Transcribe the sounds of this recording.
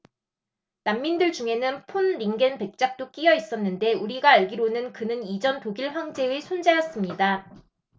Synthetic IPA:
namːindɯɭd͡ʑuŋe̞nɯnpʰonɾiŋɡenpe̞k̚t͡ɕ͈ak̚t͈ok͈ijʌis͈ʌnːɯnde̞uɾiɡaːɭɡiɾonɯnkɯnɯnid͡ʑʌntoɡiɭɸwaŋd͡ʑe̞ɯsʰond͡ʑajʌs͈ɯmɲida

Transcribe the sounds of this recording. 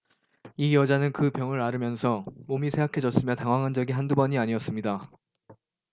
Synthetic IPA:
ijʌd͡ʑanɯnkɯpjʌŋɯɾaɾɯmjʌnsʰʌomisʰe̞ɦakʰe̞d͡ʑʌs͈ɯmjʌtaŋɦwaŋɦand͡ʑʌɡiɦandubʌɲiaɲiʌs͈ɯmɲida

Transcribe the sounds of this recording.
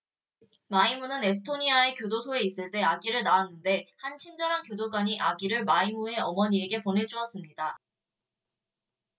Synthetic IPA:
maimunɯne̞s̬ʰɯ̥tʰoɲiae̞kjodosʰoe̞is͈ɯɭt͈e̞aɡiɾɯɭnaːnːɯnde̞hant͡ɕʰind͡ʑʌɾankjodoɡwaɲiʔaɡiɾɯɭmaimue̞ʌmʌɲie̞ɡe̞ponɦe̞d͡ʑuʌs͈ɯmɲida

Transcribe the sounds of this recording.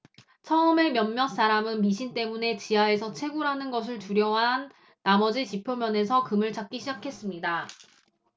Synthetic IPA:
t͡ɕʰʌɯme̞mjʌnmjʌns͈aɾamɯnmiɕʰint͈e̞mune̞t͡ɕiɦaesʰʌt͡ɕʰe̞ɡuɾɦanɯnɡʌs̬ʰɯɭtuɾjʌɦanː | amʌd͡ʑit͡ɕipʰjomjʌne̞sʰʌkɯmɯɭt͡ɕak̚k͈iɕʰid͡ʑakʰe̞s͈ɯmɲida

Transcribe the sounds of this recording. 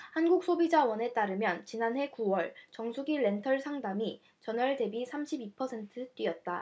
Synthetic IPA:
hanɡuk̚s͈ʰobid͡ʑawʌne̞t͈aɾɯmjʌnt͡ɕinanɦe̞kuwʌɭt͡ɕʌŋsʰuɡiɭe̞ntʰʌɭsʰaŋdami | t͡ɕʌnʌɭde̞bisʰamɕʰibipʰʌsʰe̞ntʰɯt͈ɥiʌt̚t͈a

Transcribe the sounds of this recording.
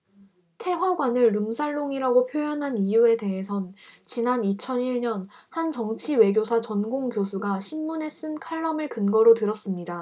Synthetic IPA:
tʰe̞ɸwaɡwanɯɭːumsʰaɭːoŋiɾaɡopʰjojʌnɦanijue̞de̞ɦe̞sʰʌnt͡ɕinanit͡ɕʰʌniɭɲʌnhant͡ɕʌŋt͡ɕʰiwe̞ɡjosʰat͡ɕʌnɡoŋkjosʰuɡaɕʰimːune̞s͈ɯnkʰaɭːʌmɯɭkɯnɡʌɾotɯɾʌs͈ɯmɲida

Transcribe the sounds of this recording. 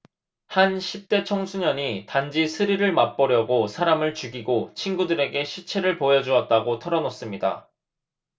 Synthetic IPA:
hanɕʰip̚t͈e̞t͡ɕʰʌŋsʰuɲʌɲitand͡ʑisʰɯɾiɾɯɭmap͈ʌɾjʌɡosʰaɾamɯɭt͡ɕuɡiɡot͡ɕʰinɡudɯɾe̞ɡe̞ɕʰit͡ɕʰe̞ɾɯɭpojʌd͡ʑuʌt̚t͈aɡotʰʌɾʌnos͈ɯmɲida̰

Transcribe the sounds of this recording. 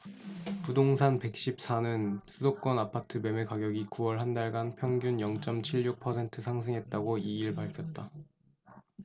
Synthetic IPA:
pudoŋsʰanpe̞k̚ɕ͈ip̚s͈ʰanɯnsʰudok͈ʌnapʰatʰɯbe̞me̞kaɡjʌɡikuwʌɭɦandaɭɡanpʰjʌŋɡjunjʌŋt͡ɕ͈ʌmt͡ɕʰiɭjuk̚pʰʌsʰe̞ntʰɯsʰaŋsʰɯŋɦet̚t͈aɡoiiɭpaɭkʰjʌt̚t͈a

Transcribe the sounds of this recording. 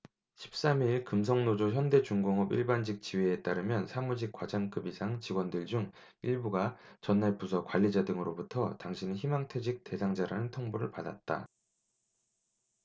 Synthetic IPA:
ɕʰi̥p̚s͈amiɭkɯms̬ʰʌŋnod͡ʑoçjʌnde̞t͡ɕuŋɡoŋʌbiɭband͡ʑik̚t͡ɕiweet͈aɾɯmjʌnsʰamud͡ʑik͈̚wad͡ʑaŋk͈ɯbisʰaŋt͡ɕiɡwʌndɯɭd͡ʑuŋ | iɭbuɡat͡ɕʌnːaɭpusʰʌkwaʎːid͡ʑadɯŋɯɾobutʰʌtaŋɕʰineçimaŋtʰed͡ʑik̚te̞sʰaŋd͡ʑaɾanɯntʰoŋboɾɯɭpada̰t̚t͈a̰

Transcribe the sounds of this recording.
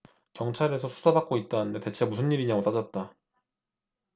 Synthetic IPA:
kjʌŋt͡ɕʰaɾe̞sʰʌsʰu̥sʰabak̚k͈oit̚t͈anɯnde̞te̞t͡ɕʰemusʰɯnɲːiɾiɲaɡot͈ad͡ʑʌt̚t͈a

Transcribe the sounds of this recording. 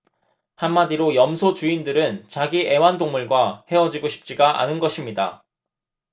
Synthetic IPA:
hamːadiɾojʌmsʰot͡ɕuindɯɾɯnt͡ɕaɡie̞wandoŋmuɭɡwahe̞ʌd͡ʑiɡoɕʰi̥p̚t͡ɕ͈iɡaʔa̰nɯnɡʌɕʰimɲida

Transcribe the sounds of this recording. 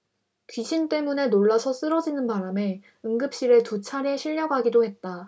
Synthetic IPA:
kɥiɕʰint͈e̞mune̞noɭːasʰʌs͈ɯɾʌd͡ʑinɯnpaɾame̞ | ɯŋɡɯp̚ɕ͈iɾetut͡ɕʰaɾeɕʰiʎːʌɡaɡidohe̞t̚t͈a

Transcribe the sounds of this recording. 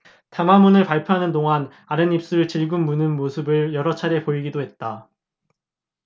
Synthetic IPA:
tamamunɯɭpaɭpʰjoɦanɯndoŋan | aɾɯnip̚s͈uɾɯɭt͡ɕiɭɡɯnmːunɯnmosʰɯbɯɭjʌɾʌt͡ɕʰaɾe̞poiɡidoɦe̞t̚t͈a

